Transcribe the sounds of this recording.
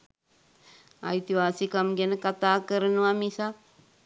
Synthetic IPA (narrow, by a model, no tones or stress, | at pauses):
a̰it̪iʋaːsikamɡenəkat̪aːkəɾənəʋamisa